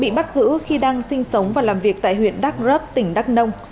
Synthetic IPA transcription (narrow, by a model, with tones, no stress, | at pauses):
ɓḭ˧˨ɓa˦˥t̚zɨ̰˧˥xi˧ɗaː˧ŋsï˧ŋ̟sə˨˦wŋ͡mvaː˨˩laː˨˩mvi˨˩ək̚t̪a̰ː˧˨jhwḭ˧˨ənɗa˦˥k̚zə˦˥p̚t̪ï˧˩ŋ̟ɗa˦˥k̚nə˧wŋ͡m